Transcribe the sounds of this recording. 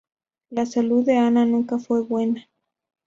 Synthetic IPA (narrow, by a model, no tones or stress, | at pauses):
lasaluðeananũŋkafwe̞βwena